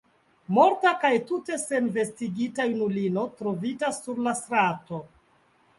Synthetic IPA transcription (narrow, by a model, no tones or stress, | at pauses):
mo̞ɾtakajtute̞se̞nve̞stiɡitajnulino̞tɾo̞vitasːuɾlastɾato̞